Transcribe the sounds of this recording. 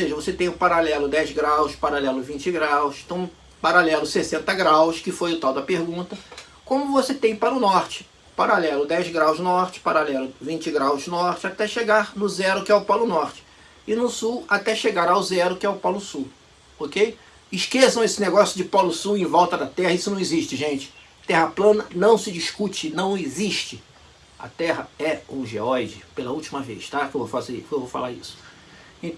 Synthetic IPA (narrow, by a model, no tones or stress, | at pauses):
oseʒɐvoset̪ẽj̃ʊpaɾalɛlʊd̪ɛjzɡɾawʃpaɾalɛlʊvĩt͡ʃɪɡɾawst̪ɐ̃w̃ | paɾalɛlʊsesẽnt̪ɐɡɾawʃkɪfojʊt̪awd̪ɐpeɾɡũt̪ɐ | kõmʊvoset̪ẽj̃paɾʊnɔɾt͡ʃɪ̥ | paɾalɛlʊd̪ɛjzɡɾawznɔχt͡ʃɪ̥paɾalɛlʊvĩɲt͡ʃɪɡɾawznɔɾt͡ʃɪat̪ɛʃeɡaɾnʊzɛɾʊkɪɛʊpɔlʊnɔɾt͡ʃɪ̥ | ɪnʊsuwat̪ɛʃeɡaɾawzɛɾʊkɪɛʊpɔlʊsuw | okej | ɪʃkesɐ̃w̃esɪneɡɔsjʊd͡ʒɪpɔlʊsuwẽvɔwt̪ɐd̪ɐt̪ɛhɐisʊnɐ̃w̃eziʃt͡ʃɪʒẽt͡ʃɪ̥ | t̪ɛɦɐplɐ̃nɐnɐ̃w̃sɪd͡ʒiʃkut͡ʃɪnɐ̃w̃eziʃt͡ʃɪ | ɐ̰t̪ɛɦɐɛũʒeɔjd͡ʒɪpelɐuwt͡ʃimɐvḛjʃt̪akɪewvowfazeɾkewvowfa̰laɾḭsʊ̥ | ẽt̪